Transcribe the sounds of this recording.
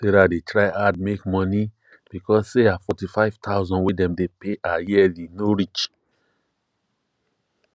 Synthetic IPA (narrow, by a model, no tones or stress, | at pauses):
seɾadetɹaɪad̚mekmɔ̃ni | b̥ikɔsseafɔtifaɪv̥tʰaʊzɔ̃nwedɛ̃mdepeʔajidinoɹit͡ʃ